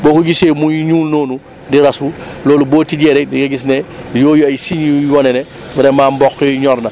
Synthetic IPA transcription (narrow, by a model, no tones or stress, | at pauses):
boːkuɡiseːmuɲuːlnoːnu | diɾasuloːluboːtiɟɛːɾɛkdiɡaɡis̬nɛjoːjuajsiɲjujɔnɛnɛ | bɛɾɛmaːmbɔkːɔɲɔɾnɐ